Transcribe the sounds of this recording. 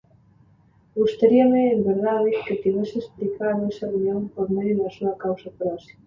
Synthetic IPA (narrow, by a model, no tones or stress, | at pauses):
ɣust̪aɾiɐmɪːmbeɾðaðeket̪iβɛsɪesplikaɾðoɛsɐrunjõŋpoɾmeðjunɐsuɐkawsɐpɾɔsi̥mɐ